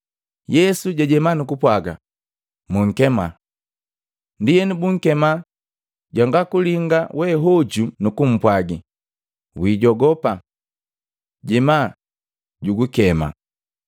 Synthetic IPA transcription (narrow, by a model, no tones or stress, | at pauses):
jɛsuɟaɟɛmanukupwaɡa̰ | muŋ̩kɛma | ndijɛnibuŋ̩kɛma | ɟwaŋɡakuliŋɡawɛɦɔɟunukum̩pwaɡi | wiːɟɔɡɔpa | ɟɛma | ɟuɡukɛma̰